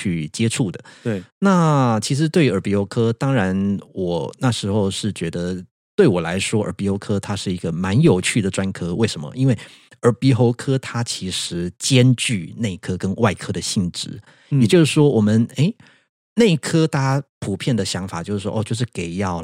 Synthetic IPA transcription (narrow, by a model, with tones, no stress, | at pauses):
t͡ɕʰy˥˩t͡ɕjɛ˥ʈ͡ʂʰu˥˩d̪ə˩na˥˩t͡ɕʰi˧˥ʂ̬ɻ̩˧˥t̪we˥˩ɪy˧˥ə˞˨˩pi˧˥xo˧˥ʊkʰɤ˥t̪ɑ˥ŋɻa˧˥nwɔ˨˩na˥˩ʂɻ̩˧˥xo˥˧ʊʂɻ̩˥˩t͡ɕɥɛ˧˥d̪ə˧ | t̪we˥˩ɪwɔ˨˩la̰˧˥ɪʂwɔ˥ə̰˨˩pi˧˥xo˧˥ʊkʰɤ˥t̪ʰa˥ʂɻ̩˥˩i˧˥ɡə˧˨ma˧˥njo˨˩ʊt͡ɕʰy˥˩d̪ə˩ʈ͡ʂwa˥nkʰɤ˥we˥˩ɪʂə˧˦mə̰˧ʔi˥nwe˥˩ɪ | ə˞˨˩pi˧˥xo˧˥ʊkʰɤ˥t̪ʰa˥t͡ɕʰi˧˥ʂɻ̩˧˥t͡ɕjɛ˥nt͡ɕy˥˧na˥˧˩i˥kʰɤ˥kə˥nwa˥˩ɪkʰɤ˥d̪ə˨ɕi˥˩ŋʈ͡ʂɻ̩˧˩˦ | jɛ˨˩t͡ɕjo˥˧ʊʂɻ̩˥˩ʂwɔ˥wʔɔ˨˩mə˨ne˥˩ɪ | ne˥˩i˥˩kʰɤ˥t̪ʰa˥˧˥pʰu˨˩pʰjɛ˥˩nd̪ə˩ɕjɑ˧˥ŋfa̰˨˩t͡ɕjo˥˧ʂɻ̩˥˩wɔ̰˥˦˧t͡ɕjo˥˧ʊʂ̬ɻ̩˥˩ke˨˩ɪjɑ˥˩ʊ